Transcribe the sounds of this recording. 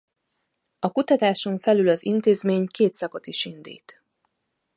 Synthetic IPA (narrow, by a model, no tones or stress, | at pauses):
ɒkut̪ɒt̪aːʃo̞ɱfɛlylɒzḭnt̪eːzmeːɲkeːt̪sɒko̞t̪iʃind̪ḭːt̪